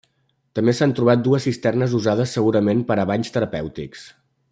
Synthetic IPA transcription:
t̪əmbesant̪ɾuβat̪̚d̪uəsːist̪ɛrnəzuzaðəsːəɣuɾəmenpəɾəβ̞aʎst̪əɾəpɛwt̪ḭks

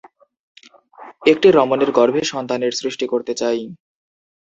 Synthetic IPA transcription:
ek̚ʈiɾɔmoneɾɡɔɾbʱeʃɔnt̪aneɾsɾiʃʈikoɾt̪et͡ɕaj

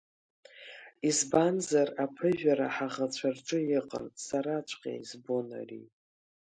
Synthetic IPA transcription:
izbanzarapʰɨʒᶣaɾa̰ħaʁat͡ɕʷʰarʈ͡ʂʼɨjɪqʼə̰nsaɾat͡ʃʷʰqʲʼḛjzbona̰rḭ

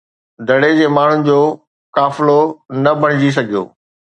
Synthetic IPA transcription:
d̪ʱɐɽed͡ʑeːmaːɳ̤ʊnɪ̆d͡ʑoː | kaːfɪlonɐbʱɐɽ̃ɪd͡ʑis̬ɐɡʱijo̰ː

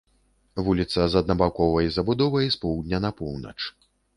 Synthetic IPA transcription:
vulʲit̪sɐzɐd̪nɐbawkɔvɐizɐbud̪ɔvɐispɔwd̪ʲnʲɐnɐpɔwnɐ̰t͡ʂ

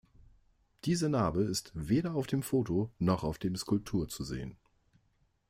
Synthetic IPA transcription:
d̥iːzɐnaːbəɪstv̥eːɾɐaʊfd̥eːmfoːtonɔχaʊfd̥eːmskʊlp̚tʰuːɐt͡suzḛːən

